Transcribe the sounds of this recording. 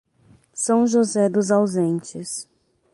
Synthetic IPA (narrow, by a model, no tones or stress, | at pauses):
sɐ̃w̃ʒozɛd̪ʊzawzẽnt͡ʃɪs